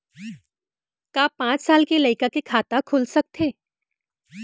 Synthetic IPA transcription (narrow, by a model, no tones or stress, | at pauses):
kaːpãːt͡ʃsaːlkelɐɪkakekʰaːt̪akʰʊlsɐk̚t̪ʰeː